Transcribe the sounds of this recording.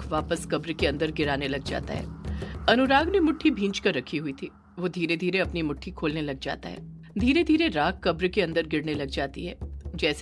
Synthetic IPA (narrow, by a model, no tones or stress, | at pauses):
kʰʋaːpəskɐbɾkeɐ̃nd̪əɾɡɪɾaːnelɐɡd͡ʒa̰ːt̪a̰ɦɛ̰ːɐnʊɾaːɡnemʊʈʰːibʱĩːt͡ʃkɐɾːɐkʰiɦʊit̪ʰiː | ʋod̪ʱiːɾed̪ʱiːɾeɐpnimʊʈʰːikʰoːlnelɐɡ̚d͡ʒa̰ːt̪a̰ɦɛ̰ː | d̪ʱiːɾed̪ʱiːɾeɾaːkːɐbɾkeɐ̃nd̪əɾɡɪɽnelɐɡ̚d͡ʒaːt̪ḭɦɛːd͡ʒɛːs